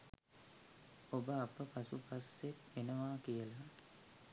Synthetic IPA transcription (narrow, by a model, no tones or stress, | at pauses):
obəapəpasupasːet̪ʋenəʋaːkijəla